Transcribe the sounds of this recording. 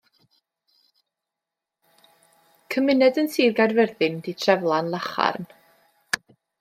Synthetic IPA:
kʰəmɪnɛdənsiːrɡadvɛrðɪnditʰrɛvlˠanlˠaχa̰rn

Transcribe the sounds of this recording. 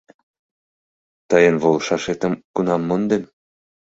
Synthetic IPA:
t̪ɤjənβolʃɑʃet̪ə̆mkunɑmːond̪en

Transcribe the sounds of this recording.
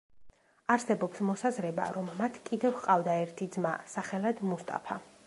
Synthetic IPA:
aɾsɛbɔpsmɔsazɾɛba̰ɾɔmːat̪ʰkʼid̪ɛvqʼavd̪aɛɾt̪ʰid̪zma̰saχɛlad̪must̪ʼa̰pʰa

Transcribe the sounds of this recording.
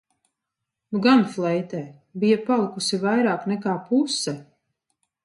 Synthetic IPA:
nuɡanflˠɛjt̪ɛː | bijapalˠikusivajɾaːknɛkaːpusːɛ

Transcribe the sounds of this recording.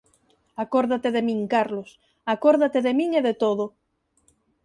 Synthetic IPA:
akoɾðat̪eðemĩŋkaɾlos | akoɾðat̪eðemiŋeðet̪oðo

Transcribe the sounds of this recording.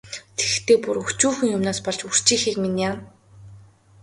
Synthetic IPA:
t̪ʰe̥xt̪ʰeːpuɾuxt͡ɕuːxɘ̆ŋjʊmnaːspɔɮt͡ɕur̥t͡ɕiːxiːkminjaː

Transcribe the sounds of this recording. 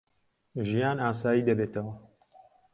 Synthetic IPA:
ʒijaːnaːsaːjiːd̪ɐbeːt̪ʰɐwɐ

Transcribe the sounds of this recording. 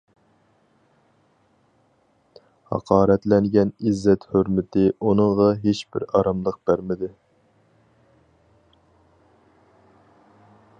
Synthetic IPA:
hɑ̰qʰɑːɾɛt̪lɛŋɡʲɛnizːɛt̪høɾmɪt̪ʰɪunɨŋʁɑɦeʃb̥ɪ̰ɾɑɾɑmlˠəq̚b̥æɾmɪd̪ɪ

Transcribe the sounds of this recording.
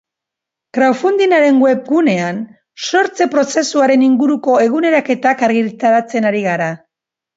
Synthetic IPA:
kɾawfund̪inaɾe̞ŋɡwe̞pɡune̞an | so̞ɾt͡se̞pɾo̞se̞suaɾe̞niŋɡuɾuko̞e̞ɣ̞une̞ɾake̞t̪akaɾɣiɾt̪aɾat͡se̞naɾiɣaɾa

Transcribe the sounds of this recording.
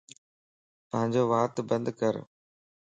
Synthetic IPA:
t̪ɐɦə̃ɲd͡ʑoːʋaːt̪bɐ̃nd̪kɐɾ

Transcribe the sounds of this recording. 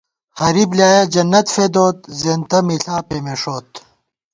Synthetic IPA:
hɐɾiblʲjaːjɐd͡ʑɐnːɐt̪fed̪oːt̪̚zeːnt̪ɐmiɬaːpemeʂoːt̪

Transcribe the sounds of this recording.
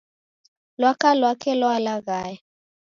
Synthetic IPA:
lwakalwakʰɛlwalaɣaːjɛ

